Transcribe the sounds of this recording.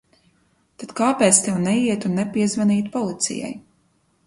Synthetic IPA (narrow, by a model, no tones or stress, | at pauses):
t̪at̪kaːpɛːt̪st̪ɛwnɛiɛt̪unːɛpiɛzvɛniːt̪pɔlˠit̪sḭja̰j